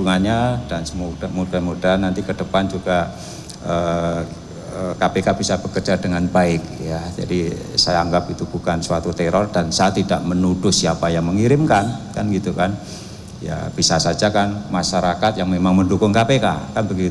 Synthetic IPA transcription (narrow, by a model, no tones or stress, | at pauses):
uŋanɲadansəmudamudamudaɦanːant̪ikədəpand͡ʒuɡa | ə | əkapekab̥isab̥əkərd͡ʒadəŋanbaɪk̚jad͡ʒa̰disajaːŋɡap̚it̪ub̥ukanswat̪ut̪ɛɾɔrd̥ansaat̪ːidaʔmənudʊhsiapajaŋməŋiɾɪmkankanɡit̪ukan | ja̰b̥isasad͡ʒakanmaʃaɾakat̪jaŋmemaŋməndukʊŋkapeka̰kanbəɡi